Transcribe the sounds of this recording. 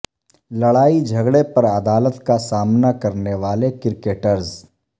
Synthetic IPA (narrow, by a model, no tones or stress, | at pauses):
lɐɽaːid͡ʒʱɐɡɽepɐɾɐd̪aːlət̪kasaːmnakɐɾneʋaːlekɪɾkeːʈəɾz